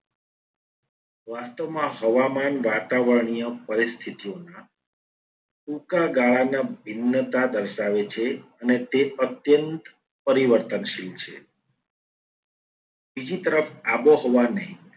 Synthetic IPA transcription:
ʋast̪omãɦəʋamanʋat̪aʋəɾɳ̃ijəpəɾist̪ʰit̪ijona | ʈukaɡaɭanabʱinːət̪ad̪əɾʃaʋet͡ʃʰeənet̪eət̪jənt̪ | pəɾiʋəɾt̪ənʃilt͡ʃʰḛ | bid͡ʒit̪əɾəfaboɦoʋanəɦĩ

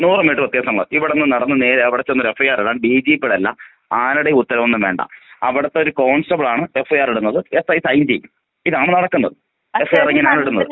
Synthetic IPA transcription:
nuːrɨmeʈːɨpɐt̪ːjaːsɐŋːɐɭoʔiʋiɽenːɨnɐɽɐnːɨne̞ːɾeɐʋiɽɐt͡ɕːonːoɾefːɐjaːrɐlːaːɳɨɖiːd͡ʑipːeɽɐlːɐ̰ | aːnuɽeiut̪ːɐɾɐmonːɨmʋe̞̰ːɳɖɐ̰ɐʋiɽɐt̪ːeoɾukoːɳsʈɐbɭaːɳɨe̞fːɐjaːriɽunːɐðɨe̞sɐjsɐjnd͡ʑij | iðaːɳɨnɐɽɐkːunːɐðɨ | e̞fɐjaːriŋːɐneaːɳiɽunːɐðɨ

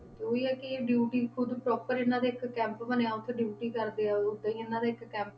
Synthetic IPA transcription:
t̪eːoːiːɛːkɪeːɖjuːʈiːkʰʊd̪pɾɔːpəɾɪnːãːd̪eːɪkkɛ̃ːmpbəneːaːʊt̪ʰːeɖjuːʈiːkəɾd̪eːaːʊd̪ːeːiɪnːãːd̪aːɪkkɛ̃ːmp

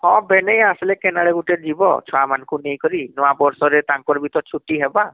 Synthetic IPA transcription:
ɔ̃bɛnɛjaslɛkɛnaɭɛɡutɛd͡ʒibɔ̰t͡ʃʰɔamankʰunejkɔɾinɔwabɔɹsɔɾɛt̪aŋkɔɾbʱit̪ɔt̚t͡ʃʰutːiɦɛba

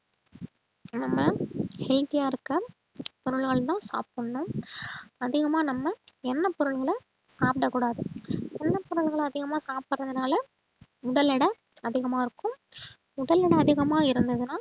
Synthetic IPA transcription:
nɐmːɐhɛlt̪ɪjaːɪɾɯkːɐ | pɔɾɯɭɣɐɭt̪ãːsa̰ːpːɐɳːʊ̃ | ɐðɪɣɐmaːnɐmːɐɛnːɐpɔɾɯɭɣɐɭɐ | saːpʈɐkːuːɽaːðɯɛnːɐpɔɾɯɭɣɐɭɐðɪɣɐmaːsaːpːɐɾɐðɯnaːlɐ | ʊɽɐlɪɽɐ | ɐðɪɣɐmaːɪɾɯkːɯ̃m | ʊɽɐlɪɽɐɐðɪɣɐmaːɪɾɯnd̪ɐðɯnaː

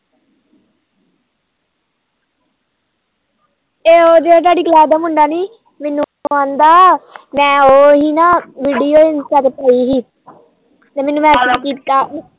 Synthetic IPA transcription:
eːoːd̪eːaːt̪aːɖiːkəlaːd̪aːmʊɳɖaːniː | mɛːnũãːnd̪aːmɛ̃ːoːɦiːnãːʋiːɖijoːɪnsaːt̪epəiːɦiː | t̪eːmɛːnːũːmɛ̃ːslaːkiːt̪kaː

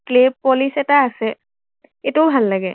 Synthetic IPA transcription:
kleb̚pːolisɛtaːsɛ | etubʱalːaɡɛ

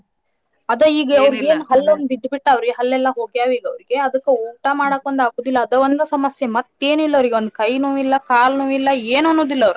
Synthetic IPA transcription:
ɐd̪ɐiːɡɐɐʋɾiɡeːnɦɐlːonːbid̪biʈːaːʋɐɾiɡeɦɐlːɛlːɐɦo̞ːɡjaːʋiːɡɐʋɐɾiɡe̞ɐd̪ɐkːeuːɳʈaːmaːɽakond̪aːkuːd̪ilːɐːd̪ɐond̪ɐsɐmɐsjemɐt̪ːe̞ːnuilːɐʋɾiɡeond̪̚kɐjnuːilːɐkaːlnuːilːɐeːnonːuːd̪ilːɐʋɐɾu

